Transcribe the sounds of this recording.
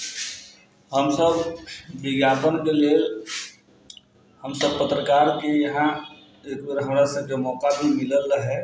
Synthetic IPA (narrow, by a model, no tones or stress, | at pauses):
həmsəbbɪɡjaːpənkeleːl | həmsəbpət̪ɾəkaːɾkejɐɦã | eːkːɾɦɐmɾasekemɔːkabʱimɪləlɦɛː